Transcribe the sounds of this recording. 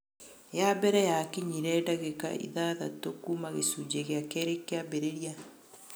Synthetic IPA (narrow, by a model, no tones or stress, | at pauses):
jabɛɾɛjakiɲiɾɛdaɣeka̰ḭðaðatokumaɣḛsud͡ʒeɣeakɛɾekːeabeɾeɾja